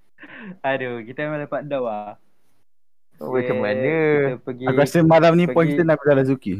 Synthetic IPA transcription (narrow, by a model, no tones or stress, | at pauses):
adokit̪əmalapat̚dawa | wat͡ʃamanəpəɡaasəmalamnĩpɔnkit̪ənakbəzalas̬uki